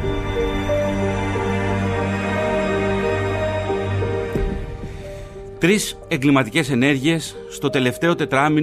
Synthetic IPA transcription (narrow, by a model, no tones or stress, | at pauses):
t̪ɾise̞ŋɡlimɐt̪ice̞se̞ne̞ɾʝie̞sːt̪o̞t̪e̞le̞ft̪e̞o̞t̪e̞t̪ɾɐmi